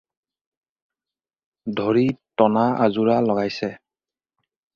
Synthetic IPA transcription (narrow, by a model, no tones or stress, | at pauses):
dʱoɹitɔnaazuɹalɔɡajsɛ